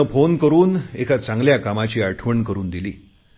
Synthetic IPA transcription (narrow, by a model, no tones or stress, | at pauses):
əfonkəɾuːnekʰat͡sãŋɡljakamat͡ɕiːaʈʰʋəɳkəɾuːnd̪ilḭː